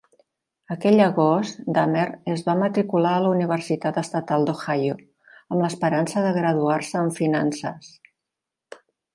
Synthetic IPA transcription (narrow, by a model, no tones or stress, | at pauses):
əkɛʎəɣɔst̪d̪ameɾəzβamət̪ɾikulaəluniβ̞ərsit̪at̪əst̪ət̪alˠd̪oxajo | əmləspəɾansəðəɣɾəðuarsəːɱfinansəs